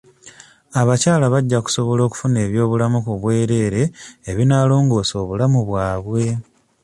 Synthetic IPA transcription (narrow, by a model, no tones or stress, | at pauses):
aβacaːlaβaɟːaku̥so̞βo̞lo̞ːku̥fune̞ːβjo̞ːβulamukuβwe̞ːɾe̞ːɾe̞ːβinaːlo̞ːŋɡo̞ːso̞ːβulamuβwaːβwe̞